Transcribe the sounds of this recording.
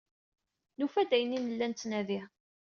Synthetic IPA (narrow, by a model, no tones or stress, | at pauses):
nufæd̪æjənːinəlːænt̪ːnæði